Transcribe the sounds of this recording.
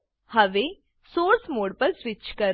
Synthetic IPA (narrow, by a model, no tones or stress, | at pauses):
həʋe | soːɾsmoːɽpəɾsʋɪt͡ʃkəɾ